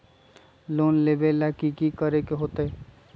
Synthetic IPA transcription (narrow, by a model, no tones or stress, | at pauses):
loːnleːbelɛːkikikəɾekeɦoːt̪eɦe